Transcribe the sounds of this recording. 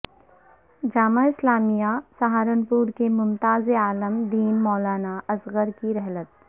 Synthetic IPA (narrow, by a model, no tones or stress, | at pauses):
d͡ʒaːmaɪslaːmijasaɦaːɾənpuːɾkemʊmt̪aːzeaːləmd̪iːnmɔːlaːnaʔɐsɣəɾkiɾɛɦlət̪̚